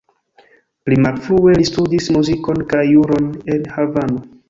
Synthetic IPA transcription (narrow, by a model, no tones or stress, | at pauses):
plimalfɾue̞listudismuziko̞nkajːuɾo̞ne̞nhavano